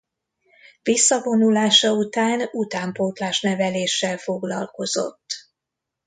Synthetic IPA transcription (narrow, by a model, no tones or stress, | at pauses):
visːɒvo̞nulaːʃɒut̪aːnut̪aːmpoːt̪laːʃnɛvɛleːʃːɛlfo̞ɡlɒlko̞z̥o̞̰t̪ː